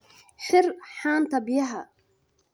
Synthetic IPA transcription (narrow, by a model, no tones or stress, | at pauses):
ʃɪrħaːnt̪ʰɐbɪjɐɦɐ